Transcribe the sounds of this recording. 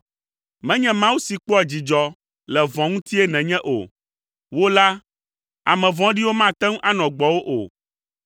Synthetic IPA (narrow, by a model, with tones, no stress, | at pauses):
mɛ̃˦ɲɛ̃˦mã˦wu˦si˨k͡pɔ˦a˨d͡ʑi˨d͡ʒɔ˦ | lɛ˨vɔ̃˨ŋũ˦t̪i˦ɛ˦nɛ̃˨ɲɛ̃˦ʔo̰˨ | wo˦la˦ | a̰˨mɛ̃˨vɔ̃˦ɖi˦wo˦mã˦˨t̪ɛ̃˦ŋũ˦ʔa˦nɔ̃˨ɡ͡bɔ˨wo˦ʔo̰˨